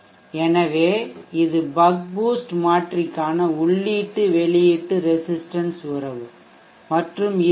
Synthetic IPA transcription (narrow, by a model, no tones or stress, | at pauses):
ɛnɐʋeːɪðɯbɐk̚buːsʈmaːʈrɪkːaːnɐʊɭːiːʈːɯʋɛɭɪjɪʈːɯɾɛsɪsʈɐnsɯɾɐʋɯ | mɐʈrɯmɪ